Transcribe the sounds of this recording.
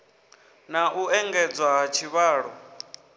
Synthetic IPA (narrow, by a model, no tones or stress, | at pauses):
naʔuɛŋɡɛd͡zwaɦat͡ʃʰiβaːɺɔ